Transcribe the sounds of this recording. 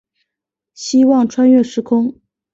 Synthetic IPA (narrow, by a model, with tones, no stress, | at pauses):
ɕi˥wɑ˥˩ŋʈ͡ʂʰwa˥nɥɛ˥˩ʂɻ̩˧˥kʰʊ˥ŋ